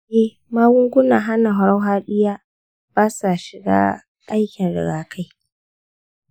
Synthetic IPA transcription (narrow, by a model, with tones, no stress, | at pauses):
eː˦ | maː˦ɡʷʊ˦ŋɡʷʊ˦naː˨ɦa˦na˨ɦʊ˨ɽa˦wɦaː˦ɗɪ˦jaː˦ | b̥aː˦sa˨ʃɪ˨ɡa̰ː˦ | ʔa˦jkʲɪ˨nɽɪ̰˨ɡaː˨kʰa˦j